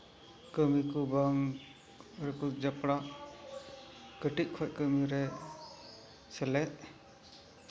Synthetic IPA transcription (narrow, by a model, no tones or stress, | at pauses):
kəmikubaŋ | ɾɛkud͡ʒapɽa | kəʈiʔ̚kʰɔc̚ˀkəmiɾɛ | sɛlɛʔ̚